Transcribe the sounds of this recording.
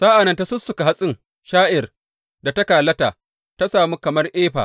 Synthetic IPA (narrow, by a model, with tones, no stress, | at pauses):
saː˦ʔa˨nɐ˦nta˦sʊ˦sʊ˨ka˨ɦa˦sʼɪ˦ŋ | ʃaː˦ʔɪ˨r | da˨ta˦kaː˨lɐ˦taː˨ | ta˦saː˨mu˦kɐ˨mɐ˦rʔeː˦ɸa̰ː˨